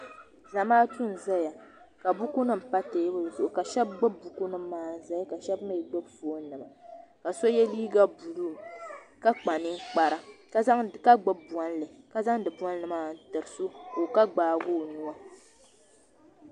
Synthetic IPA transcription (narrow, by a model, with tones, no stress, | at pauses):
za˨maː˦tu˦n˨za˦ja˨ | ka˨bu˦ku˦nɨ˦m̩˨pa˦teː˨˦bɨ˦˨zo˨ʔʊ˨ka˨ʃɛ˦b̚ɡ͡bɨ˦bu˦ku˦nɨ˦mː˦aː˦n̩˨za˦ja˦ka˨ʃɛ˦bmɨ˦˨i˨do˦bfo˨˦nɨ˨ma˨ka˨so˦jɛ˦liː˦ɡa˦bu˨lu˦˨m˨ka˦k͡pa˨nɨ˦ŋ˦k͡pa˨ɾa˦ka˦za˦ŋ˨ka˦ɡ͡bɨ˦bu˨ɔ˨˦n˦lɨ˨ka˨za˦ŋdɨ˨bu˦ɔ˦n˦lɨ˨maː˦n̩˨˦tɨ˨ɾɨ˨so˦ko˨ka˦ɡ͡baː˨˦ɡu˦˨nu˦wa˦